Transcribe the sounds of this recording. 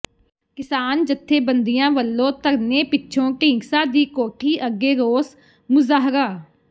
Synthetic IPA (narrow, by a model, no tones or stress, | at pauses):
kɪsaːnd͡ʒət̪ʰːeːbə̃nd̪ɪjãːʋəlːõːt̪əɾneːpɪtːʃʰõːʈĩːɡsaːd̪iːkoːʈʰiːʔəɡeːɾoːs | mʊzaːɦɾaː